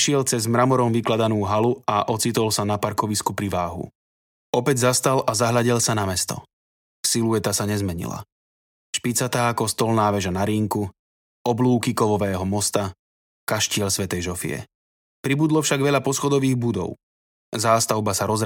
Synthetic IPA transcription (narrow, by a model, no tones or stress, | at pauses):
ʃɪɛlt͡sɛzmɾamɔɾɔmʋiklad̪anuːɦaluaʔɔt͡sit̪ɔlsanapaɾkɔʋiskupɾiʋaːɦṵ | ɔpɛɟzast̪alazaɦlaɟilsanamɛst̪ɔ̰ | silujɛt̪asaɲɛzmɛɲḭla̰ | ʃpit͡sat̪aːkɔst̪ɔlnaːʋɛʒanaɾiŋku | ɔbluːkikɔʋɔʋɛːɦɔmɔst̪a | kaʃcɪɛʎsʋɛt̪ɛjʒɔfḭɛ̰ | pɾibud̪lɔfʃaɡʋɛʎapɔsxɔd̪ɔʋiːɣbud̪ɔ̰ʊ | zaːst̪aʊbasaɾɔz